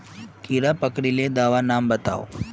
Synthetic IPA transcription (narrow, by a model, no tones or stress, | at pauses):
kiːɾapəkɽiled̪aːʋanaːmbɐt̪a̰ːo̰